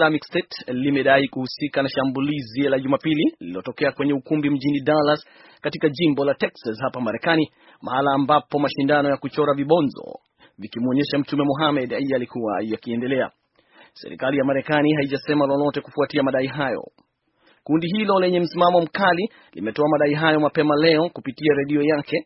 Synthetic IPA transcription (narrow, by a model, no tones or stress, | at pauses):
lamikstɛtlimɛɗaikuhusikanaʃambulizilaʄumapililiiɔtɔkɛakwɛɲɛukumbim̩ʄinidalas | katikaʄimbɔlatɛksashapamaɾɛkani | mahalaːmbapɔmaʃindanɔjakut͡ʃɔɾaviɓɔnzɔ̰ | vikimuɔɲɛʃam̩t͡ʃumɛmɔɦamɛɗaiaːlikuwajakiɛndɛlɛa̰ | sɛ̰ɾḭkalijamaɾɛkaniɦaiʄasɛmalɔlɔtɛkufuatiamaɗaiɦajɔ̰ | kundiɦilɔlɛɲɛm̩simamɔm̩kali | lḭmɛtɔamaɗaiɦajɔmapɛmalɛɔkupitiaɾɛɗiɔjakɛ